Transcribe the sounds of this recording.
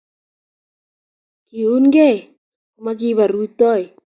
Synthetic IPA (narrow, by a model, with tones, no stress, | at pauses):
ki˨u˦nɡɛ˦˨ | ma˦k̬i˦βa˨ɾu˦t̪ɔ˦j